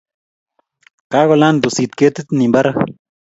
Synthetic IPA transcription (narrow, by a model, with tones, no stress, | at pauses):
ka˦ɣo˧la˦nd̪u˨si˨t̪ke˦t̪e˦t̪ni˨mba˦ɾa˦